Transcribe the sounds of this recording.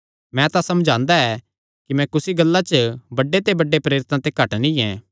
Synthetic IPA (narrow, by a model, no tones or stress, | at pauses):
mɛ̃t̪ãsɐmd͡ʒʱãːnd̪aɛː | kimɛ̃kʊsiɡɐlːat͡ʃəbɐɖːet̪ebɐɖːepɾeːɾɪt̪ãt̪ekɐʈnĩɛ̃ː